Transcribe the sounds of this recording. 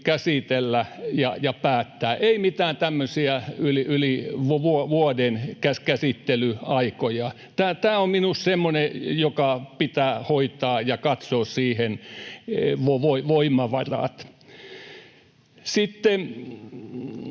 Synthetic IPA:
kæsit̪elːæjɑ̰jɑpæːt̪ːæːʔeimit̪æːnt̪æmːøsiæyliyliʋuʋuoʋuodenkæskæsit̪ːelyɑikojɑ | t̪æːt̪æːomminussemːonejokɑpit̪æːhoit̪ɑːjɑkɑt̪soːssiːhen | ʋoʋoiʋoimːˑɑʋɑrɑ̰t̪ | sit̪ːe

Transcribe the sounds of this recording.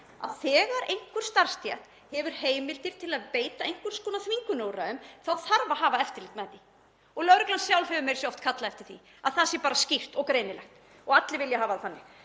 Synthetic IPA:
a̰ðθɛːɣaɾejŋ̥kʏɾ̥st̪aɾ̥st̪jɛt̪ | hɛvʏɾ̥heːjmɪlt̪ɪɾ̥t̪ʰɪlaðpeːjt̪aejŋ̥kvʏɾ̥skɔːnaθviŋkʏnoːwɾaʏmθaðθaɾvaɦaːvaɛft̪ɪɾlɪt̪mɛt̪ːɪ | ɔɣlœɣɾɪklansjawlhɛvʏmɛɾsɛɔft̪kʰat̪laɛft̪ɪɾ̥θḭ | aðθaðsjɛpaːɾascir̥t̪ɔɣkɾeːjnɪlɛxt̪ | ɔɣat̪lɪvɪljaɦaːvaðθanːɪ

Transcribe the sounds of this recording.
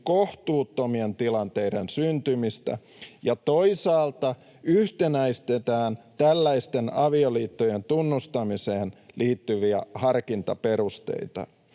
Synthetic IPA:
koht̪uːt̪ːomient̪ilɑnt̪e̞iɾensynt̪ymist̪æ̰ | jɑt̪oisɑːlt̪ɑ | yht̪enæist̪et̪æːnt̪ælːæist̪enɑʋioliːt̪ːojent̪unːust̪ɑmiseːnlʔiːt̪ːyʋiæhɑrkint̪ɑpe̞rust̪ḛit̪ɑ̰

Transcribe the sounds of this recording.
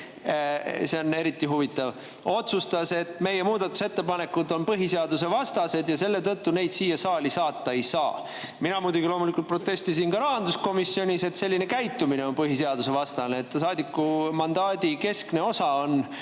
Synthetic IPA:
se̞o̞ne̞ɾit̪ːˑiɦuvit̪ːˑɑv | o̞t̪sust̪ɑse̞t̪ːˑme̞jːemuːd̪ɑt̪ːˑu̥se̞t̪ːe̞pɑne̞kːˑud̪o̞npɤɦise̞ɑd̪us̬e̞vɑst̪ɑse̞d̪jɑse̞lːe̞t̪ɤt̪ːune̞jd̪̥siːjɑsɑːlisɑːt̪ˑːɑe̞jsɑː | minɑmuːd̪uɡilo̞ːmulikult̪̚pro̞t̪ːe̞st̪is̬inkɑɾɑɦɑnd̪usko̞misːio̞nʲise̞t̪se̞lʲːine̞kæjt̪ːˑumine̞o̞npɤɦiseɑd̪̥use̞vɑst̪ɑneːt̪ːsɑːd̪ikːˑumɑnd̪̥ɑːd̪ike̞skne̞o̞sɑo̞n

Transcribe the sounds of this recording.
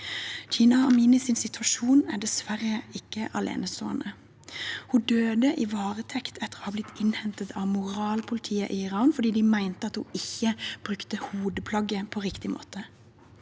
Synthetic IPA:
çiːnɑɑmiːnɪsɪnsɪt̪ʰʋɑʃuːnæ̰ɖɛsʋæʁəɪkːəʔɑlḛːnəso̰ːɑ̰nə | hud̪øːd̪əʔiʋɑːʁət̪ʰɛkt̪ʰɛt̪ːəʁoːhɑblɪt̪ʰːɪnhɛnt̪ət̪ʰɑʋmʊʁɑːlpʰʊlɪt̪ʰiːəʔiɪʁɑːnfɔd̪iːd̪ɪmæɪnt̪əɑt̪huɪçːəb̥ʁʉkt̪əhuːd̪əpʰlɑɡəpʰɔʁɪkt̪ɪmʔo̰ːt̪ə

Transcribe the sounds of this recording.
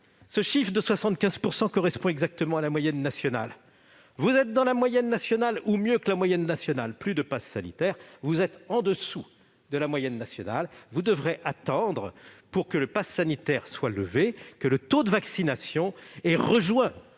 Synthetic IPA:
səʃifχd̪əswasɑ̃t̪̚kʲɛ̃z̥puʁsɑ̃kɔʁɛspɔ̃ɛɡzak̚t̪əmɑ̃alamwajɛnːasjɔna̰l | vuzɛt̪̚d̪ɑ̃lamwajɛnːasjɔnalumjøkəlamwajɛnːasjɔnalplyd̪əpasːanḭt̪ɛʁvuzɛt̪ɑ̃d̪əsu | d̪əlamwajɛnːasjɔna̰lvud̪əvʁeʔat̪ɑ̃d̪ʁəpuʁkələpasːanit̪ɛʁswaləvekələt̪od̪əvaksinasjɔ̃ɛʁəʒwɛ̃

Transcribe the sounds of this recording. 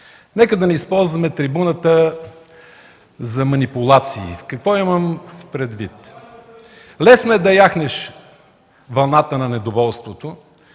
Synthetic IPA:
nɛkəd̪ɐnɛispɔlˠzvɐmɛt̪ɾibunət̪ə | zɐmɐnipʊlˠat̪sḭːkɐkvɔiməmpɾɛd̪vit̪ | lɛsnoɛd̪ɐjaxnɛʃ | vɐlˠnat̪ənɐnɛd̪ovɔlˠst̪vot̪o

